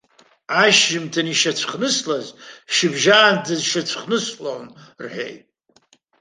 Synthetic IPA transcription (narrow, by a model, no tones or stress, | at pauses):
aʃʒɪmtʰaniʃat͡ɕʷʰχnɨslazʃɪbʒaːndɨzʃat͡ɕʷʰχnɨslownrħᶣḛjtʼ